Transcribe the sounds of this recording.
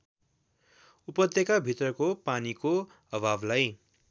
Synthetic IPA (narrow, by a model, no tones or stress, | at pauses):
upʌd̪jʌkabʱit̪rʌkopaniko | ʌbʱablaj